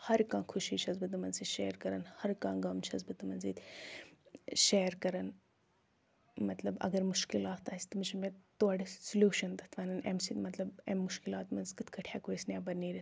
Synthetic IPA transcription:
hɐɾkãːkʰuʃiːt͡ʃʰɐzbɨt̪umɐnziːʃeːɾkɐɾɐnhɐɾkãːɡɐmt͡ʃʰɐzbɨt̪ɨmɐnzid̪ | ʃeːɾkɐɾɐn | mɐt̪lɐbɐ̰ɡɐɾmuʃkilaːt̪aːsʲt̪ɨmit͡ʃʰɐmet̪oɐɖisulʲuːʃɐnd̪ɐt̪ʰʋanɨnḛmsit̪mɐt̪lɐbḛmːʊʃkilaːt̪mɐnziɡɨt̪kɐʈʰjaːkoːisnʲaːbɐniːɾi

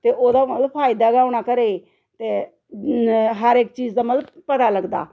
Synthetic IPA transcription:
t̪eːʔoːd̪aːməlpʰaːɪd̪aːɡaːʊɳaːkəɾeː | t̪eː | ɦəɾɪk̚t͡ʃiːd͡ʒd̪aːməlbpət̪aːləɡd̪a̰ː

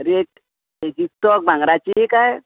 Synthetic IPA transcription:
ɾeʈ̚ | ed͡ʑist̪ɔk̚bʱaŋɡɾat͡ɕiɦekaj

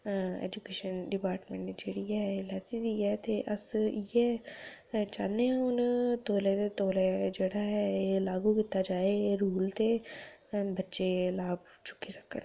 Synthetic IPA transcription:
ɛ̰ːd͡ʒukeːʃənɖɪpaːɾʈmẽɳʈːd͡ʒeːɽiːɛːlɛt̪iːd̪iːɛːt̪eːʔəsɪjɛː | t͡ʃaːneãʊnt̪oːlɛːt̪eːt̪oːlɛːd͡ʒeːɽaːɦɛːelaːɡuːkɪt̪ːaːd͡ʒaːeːɾuːlt̪eː | bətːʃeːlaːb | t͡ʃʊ̥kːiːsə̥kːə̰n

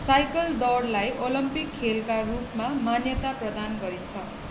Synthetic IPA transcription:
sajkʌlɖʌrlajʔolʌmpikʰːelkarupmamanjʌt̪aprʌd̪anɡʌɾit͡sʰʌ

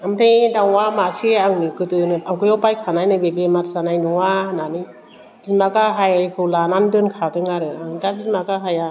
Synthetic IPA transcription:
amtʰɯjdaŋwamasiaŋnɯkɯtɯnɯaŋkɯjɔwpajkʰanajnɯbebematsanajnɯwananɯ | b̥izmaɡaɦajajkʰɯwlanandɯnkʰatɯŋaɾɯaŋdabizmaɡaɦaja

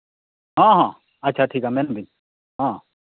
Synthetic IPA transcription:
ɦãːɦãː | ɐtːʃʰaʈʰiːkamenbʱiɲ | ɦãː

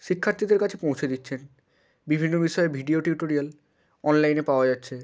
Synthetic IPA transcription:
ʃikʰːaɾt̪id̪eɾkat͡ɕʰepõwt͡ɕʰed̪itːɕʰen | bibʱinːobiʃɔebʱiɖioʈiuʈoɾial | ɔnlajnepaoad͡ʑatːɕʰe

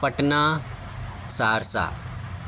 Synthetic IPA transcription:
pɐʈna | saːɾsa̰ː

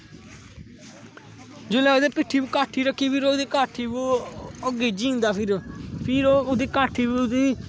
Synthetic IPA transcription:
d͡ʒoːlɛːɡd̪eːpɪʈʰːiːbuːkaːʈʰːiːɾəkʰːiːpʰɪɾoːd̪iːkaːʈʰiːbuːəɡeːd͡ʒĩːnd̪aːpʰɪɾpʰɪɾoːoːd̪iːkaːʈʰːiːbd̪iː

